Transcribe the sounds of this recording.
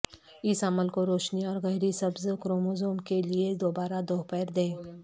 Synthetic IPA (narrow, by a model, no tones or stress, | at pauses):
ɪsəɐməlkoɾoːʃniɔːɾɣɛːɾisɐbzkɾoːmozoːmkelied̪oːbaːɾad̪oːɦpɛːɾd̪ẽː